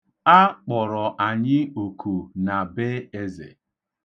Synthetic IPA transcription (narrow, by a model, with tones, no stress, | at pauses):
a˦k͡pɔ˨ɾɔ˨ʔa˨ɲɪ˦o˨ku˨na˨be˦e˦zḛ˨